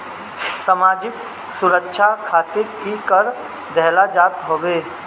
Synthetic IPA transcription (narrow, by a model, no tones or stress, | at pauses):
səmaːd͡ʒɪk | sʊɾəkʃʰakʰaːt̪ɪɾ | ikəɾ | d̪ʱɛɦlad͡ʒaːt̪ɦoːʋeː